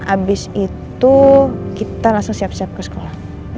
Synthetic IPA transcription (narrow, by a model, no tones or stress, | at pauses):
abɪsit̪ukit̪alaŋsʊŋsiapsiap̚kəsə̥kolah